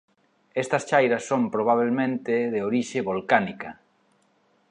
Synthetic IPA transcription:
est̪ɐst͡ʃajɾɐsːõmpɾoβ̞aβ̞elmẽnt̪ɪðeoɾiʃɪβolkanikɐ

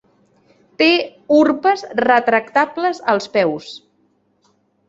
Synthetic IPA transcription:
t̪eurpəzrət̪ɾək̚t̪apləzəlˠspɛws

